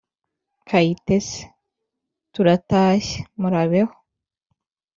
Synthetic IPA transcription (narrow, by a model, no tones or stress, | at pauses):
kʰaitese̥ | tuɾataːʃe̥muɾaβeho̥